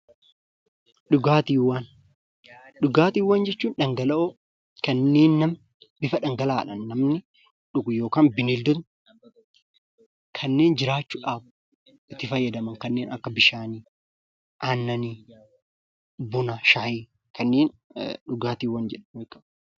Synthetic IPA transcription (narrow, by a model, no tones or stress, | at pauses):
ɗʊɡaːt̪iːwːaːn | ɗʊɡaːt̪iːwːaːnd͡ʒɛt͡ʃːuːnᶑɐŋɡɐlɐʔo | kɐnːeːnːɐm | bɪfɐᶑɐŋɡɐlaːᶑɐnːɐmnɪ | ᶑʊɡʊjoːkaːnbɪnɪld̪ʊt̪ | kʰɐnːe̞ːnd͡ʒɪɾaːt͡ʃːuːᶑaːb | ɪt̪ːɪfɐjːɐd̪ɐmɐŋkɐnːeːnɐ̰kːɐbɪʃaːniː | ʔaːnːɐniː | bʊnɐʃɐhiː | kɐnːeːnᶑʊɡaːt̪iːwːɐnd͡ʒɛᶑɐnekːɐ